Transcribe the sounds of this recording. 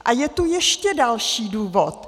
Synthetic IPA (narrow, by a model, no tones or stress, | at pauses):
ʔajɛt̪ujɛʃcɛdalʃiːduːvot̪̚